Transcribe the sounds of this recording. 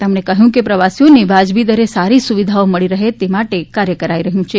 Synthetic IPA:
t̪emɳ̃ekəɦjũkepɾəʋasijonebad͡ʒbid̪əɾesaɾisuʋid̪ʱaoməɭiɾəɦet̪emaʈekaɾjəkəɾaiɾəɦjũt͡ʃʰe

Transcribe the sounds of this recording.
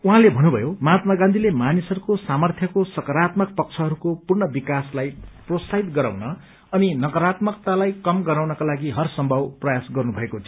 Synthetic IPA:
uɦãlebʱʌnːubʱʌjomat̪maɡãnd̪ʱilemanisʌɾukosamʌrt̪ʰjʌkosʌkʌɾat̪mʌk̚pʌk̚t͡sʰʌɦʌɾukopurnʌbikaslajprosaɦit̪ɡʌɾa̰wnʌː | ninʌkʌɾat̪mʌk̚t̪alajkʌmɡʌɾawnʌkalaɡiɦʌrsʌmbʱʌwprʌjasɡʌrnubʱʌekot͡sʰʌ

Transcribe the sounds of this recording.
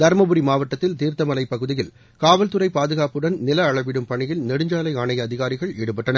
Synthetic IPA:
d̪ɐɾmɐbɯɾimaːʋɐʈːɐt̪ːɪlt̪iːɾt̪ɐmɐlɐɪpːɐɣɯðɪjɪl | kaːʋɐlt̪ɯɾɐɪpaːðɯɣaːpɯɽɐnnɪlɐːɭɐʋɪɽɯmpɐɳɪjɪlnɛɽɯɲd͡ʒaːlɐɪaːɳɐjɐːðɪɣaːɾɪɣɐɭɛɽɯpɐʈːɐnɐ

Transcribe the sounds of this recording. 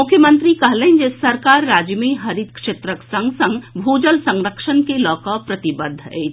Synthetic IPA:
mʊkʰjəmə̃nt̪ɾikɐɦleɦnd͡ʒesəɾkaːɾːaːd͡ʒjəmeɦɐɾid̪kʂeːt̪ɾəksə̃ŋɡsə̃ŋɡbʱoːd͡ʒəlsə̃ŋɾəkʃənkelɔːkəpɾət̪ibəd̪ʱːe

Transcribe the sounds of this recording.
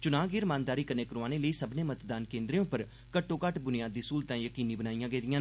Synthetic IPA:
t͡ʃʊnaːɡɪɾmaːnd̪aːɾiːkəneːkəɾoaːneːləiːsəbneːmət̪d̪aːnkẽːnd̪ɾeõːpəɾ | kəʈːõːkəʈbʊnɪjaːd̪iːsuːlt̪ãːjəkiːniːbənaːijãːɡeːd̪ɪjãː

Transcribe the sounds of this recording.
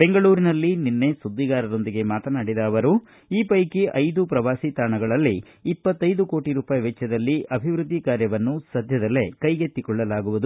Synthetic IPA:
b̥e̞ŋɡɐɭuːɾinɐlːininːe̞sud̪ːiɡaːɾɐɾo̞nd̪iɡe̞maːt̪ɐnaːɽid̪ɐːʋɐɾu | iːpɐjkiʔɐjd̪upɾɐʋaːsit̪aːɳɐɡɐɭɐlːiː | pːɐt̪ːɐjd̪uko̞ːʈiɾuːpaːjʋɛt͡ʃːjɐd̪ɐlːiʔɐbʱiʋɾud̪ʱːikaːɾjɐʋɐnːusɐd̪ʱjɐd̪ɐlːe̞kɐjɡet̪ːikɔɭːɐlaːɡuʋud̪u

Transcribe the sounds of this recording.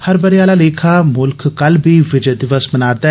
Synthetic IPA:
hɐɾbɐɾijaːlaleːkʰamʊlkʰkːɐlbʱiʋɪd͡ʒəd̪ɪʋəsmɐnaːɾd̪a

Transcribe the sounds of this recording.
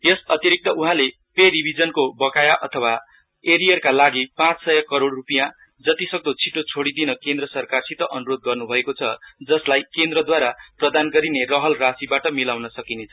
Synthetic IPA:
jesʌt̪jiɾik̚t̪ʌʔuɦãle | peɾibʱid͡zʌnkobʌkajaʔʌt̪ʰʌwa | eɾijʌrkalaɡipãt͡ssʌjʌkʌɾoɽrupijã | d͡zʌt̪isʌɡ̚d̪ot͡sʰiʈot͡sʰoɽid̪inʌkend̪rʌsʌrkarsit̪ʌʔʌnuɾod̪̚ɡʌrnubʱʌekot͡sʰʌd͡zʌslajkend̪rʌd̪waɾaprʌd̪anɡʌɾinerʌɦʌlrasibaʈʌmilawnʌsʌkinet͡sʰʌ

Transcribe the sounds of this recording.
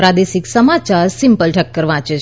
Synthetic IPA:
pɾad̪eʃiksəmat͡ʃaɾsimpəlʈʰəkːəɾʋãt͡ʃe

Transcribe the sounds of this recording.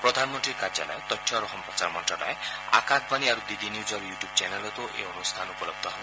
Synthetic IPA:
pɾɔd̪ʱanmɔnt̪ɾiɾkaɾd͡ʒa̰lɔ̰et̪ɔʈʰjɔɾɔɦɔmpɾɔt͡ʃaɾmɔnʈɾɔlɔ̰e | a̰kat̪ʰbʱaniaɾud̪id̪injud͡ʒɔɾjuʈjub̚t͡ʃɛnelɔt̪uʔḛɔnust̪ʰanupɔlɔb̚d̪ʱɔɦɔ

